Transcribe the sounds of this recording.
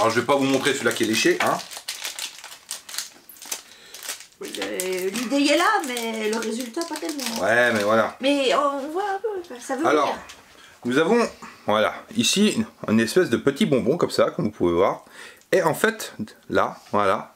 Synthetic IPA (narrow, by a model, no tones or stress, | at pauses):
lɔʁʒəvepavumɔ̃t̪χesəlakʲiɛleʃeʔɛ̃ | llid̪eɛlamɛləʁezylt̪apat̪ɛlmɑ̃wɛmɛvwalamɛɔ̃ʒəvwãpøkasavøalɔʁ | nuzavɔ̃vwala̰isiɛ̰̃nɛspɛsd̪əpət̪ibɔ̃bɔ̃kɔmsakɔ̃mvupuvevwaːʁ | eɑ̃fɛt̪la̰vwala